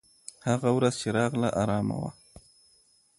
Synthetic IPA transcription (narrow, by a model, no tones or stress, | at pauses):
haɣawɾaz̥t͡ʃeɾɑɣlaʔɑɾɑːma̰wa̰